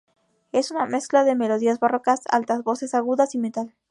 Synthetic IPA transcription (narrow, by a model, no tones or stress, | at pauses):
e̞suname̞sklaðe̞me̞lo̞ðiazβarokasa̰lt̪azβo̞se̞saɣuðasimet̪al